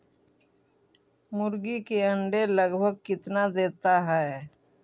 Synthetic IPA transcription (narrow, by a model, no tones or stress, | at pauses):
mʊɾɡikeə̃ɳɖeləɡbʱəɡ̚kɪt̪nad̪eːt̪aɦɛː